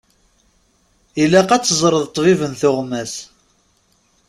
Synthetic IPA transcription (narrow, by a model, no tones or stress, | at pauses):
ilːæqæt͡sːəzˤɾˤəðˤt̪ˤvivənθʊʁmæs